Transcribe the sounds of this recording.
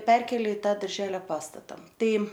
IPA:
ˈpʲɛrʲkʲeːlʲeː ɪ ˈtɑː dɐrʲˈʒʲæːlʲoː ˈpɑːstɐtɐ ˈtɐɪ

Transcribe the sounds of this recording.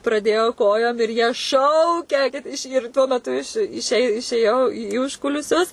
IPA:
prɐˈdʲeːjoː ˈkoːjoːm ɪr jiɛ ˈʃɐʊkʲɛ kɐt ɪʃ ɪr tuɔ mʲɛˈtʊ ɪʃ ɪʃʲɛ ɪʃʲeːˈjɛʊ iː ˈʊʃkʊlʲɪsʲʊs

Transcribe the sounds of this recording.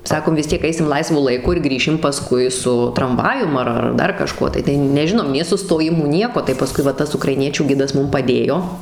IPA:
ˈsɑːkoːm ʋʲɪs ˈtʲiɛk ˈɐɪsʲɪm ˈlˠɐɪsʋʊ lˠɐɪˈkʊ ɪr ˈɡrʲiːʃʲɪm pɐˈskʊɪ sʊ trɐmˈʋɑːjʊm ɐr ɐr ˈdɐr kɐˈʃkuɔ tɐɪ tɐɪ nʲɛˈʒʲɪnoːm nʲeː sʊstoːˈjɪmuː ˈnʲiɛkoː tɐɪ pɐˈskʊɪ ʋɐ ˈtɐs ʊkrɐɪˈnʲiɛt͡ʃʲuː ˈɡʲɪdɐs ˈmʊm pɐˈdʲeːjoː

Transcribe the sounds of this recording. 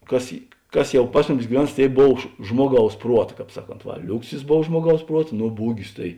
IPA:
ˈkɐs ɪ ˈkɐs ˈjɛʊ ˈpɐs mʊˌmʲɪs ɡʲɪˈʋʲɛns ˈtʲeːɪ ˈboːw ʃ ˈʒmuɔˌɡɐʊs ˈpruɔt ˈkɑːp ˈsɑːˌkoːnt ˈʋɐ ˈlʲʊksʲɪs ˈboːw ˈʒmuɔˌɡɐʊs ˈpruɔt ˈnoː ˈbuːɡʲɪs tɐɪ

